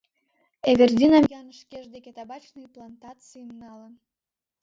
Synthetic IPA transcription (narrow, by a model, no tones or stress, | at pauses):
eβʲerd̪ʲinɑmjɑnəʃkeʒd̪ekʲet̪ɑbɑt͡ɕnɨjplˠɑnt̪ɑt͡sɨjmnɑlən